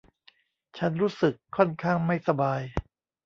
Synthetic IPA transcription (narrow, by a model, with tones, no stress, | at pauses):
t͡ɕʰa˦˥nɾuː˦˥sɯ˨˩kʰːɔ˥˩nkʰaː˥˩ŋma˥˩jsa˧baː˧j